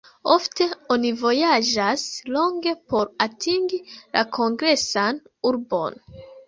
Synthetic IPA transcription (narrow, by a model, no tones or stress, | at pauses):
o̞fte̞o̞nivo̞jaʒaslo̞ŋɡe̞po̞ɾatʰiŋɡilʔakʰo̞ŋɡɾe̞san | uɾbo̞̰n